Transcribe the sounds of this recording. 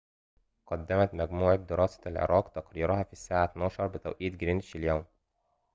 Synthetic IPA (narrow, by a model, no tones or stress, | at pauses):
qɑd̪ːæmæt̪mæɡmuːʕad̪ɪɾɑːsæ̥lʕḛɾˤʔɑːqt̪ɑqɾiːɾʊhɑfiːsːaːʕat̪nɑːʃɑɾˤbɪt̪æ̰wʔiːt̪̚ɡɾinʃɪljæːm